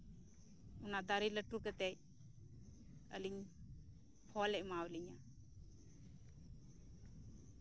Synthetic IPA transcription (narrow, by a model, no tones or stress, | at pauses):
unad̪aɾiləʈukɛt̪ɛj | ə̰liɲ | pʰɔlɛʔ̚mawliɲa